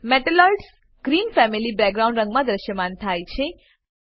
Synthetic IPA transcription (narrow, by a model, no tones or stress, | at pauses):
meʈelɔlɖs | ɡ̥ɾinfɛmilibɛkɡɾaũɳɖɾə̃ŋɡmãd̪ɾəʃjəmant̪ʰajt͡ʃʰe